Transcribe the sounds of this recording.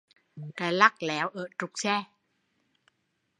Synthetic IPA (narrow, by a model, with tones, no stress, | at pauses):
kaː˨˩la˦˥k̚lɛ˨˦wʔəː˧˩t͡ɕu˨˩k͡p̚sɛ˧˩